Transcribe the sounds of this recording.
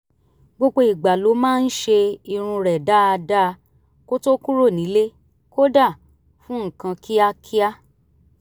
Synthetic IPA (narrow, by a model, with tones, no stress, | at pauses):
ɡ͡bo˧ɡ͡bo˧i˨ɡ͡ba˨lo˨˦mãː˦˧n̩˦ʃe˧i˧ɾ̃ũ˧ɾɛ˨da˦a˧da˦˧ | ko˦to˦ku˦ɾo˦˨nĩ˨˦le˦ | ko˦da˦˨ | fũ˦ŋ̩˨kã˧ki˦a˦˧kʰi˦a˦